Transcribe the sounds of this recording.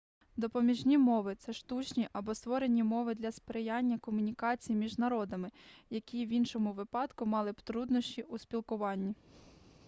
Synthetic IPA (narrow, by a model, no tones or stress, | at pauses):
d̪ɔpɔmʲiʒnʲimɔʋɪt̪sɛʃt̪ut͡ʃnʲiʔɐbɔst̪ʋɔɾe̞nʲimɔʋɪd̪lʲɐspɾejɑnʲːɐkɔmʊnʲikɑt͡sʲijmʲiʒnɐɾɔd̪ɐmɪjɐkʲiʋʲinʃɔmʊʋɪpɑd̪kʊmɑlˠɪpt̪ɾud̪nɔʃʲt͡ʃʲiuspʲilˠkʊʋɑnʲːi